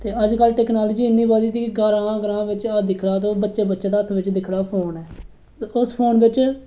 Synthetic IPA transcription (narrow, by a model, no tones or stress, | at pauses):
t̪eːəd͡ʒkəlʈɛːknaːləd͡ʒiːɪnːĩːbaːd̪iːt̪iːkɪɡəɾãːɡəɾãːʋɪt͡ʃd̪ɪkʰɽaːt̪õːbətːʃeːbətːʃeːd̪aːət̪ʰʋɪt͡ʃd̪ɪkʰɽaːpʰoːnɛː | ʊspʰoːnʋɪt͡ʃ